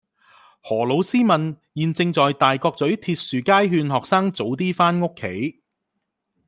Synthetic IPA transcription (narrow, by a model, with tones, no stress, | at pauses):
hɔː˨˩lo˨˧wsiː˥mɐ˨n | jiː˨˩nt͡sɪ˧ŋt͡sɔː˨jt̪aː˨jkɔː˧k̚t͡sɵ˨˥ɥt̪ʰiː˧t̚syː˨˩kaː˥jɦyː˧nɦɔː˨k̚saː˥ŋt͡so˨˥wt̪̬iː˥faː˥nŋʊ˥kʰːe˨˥j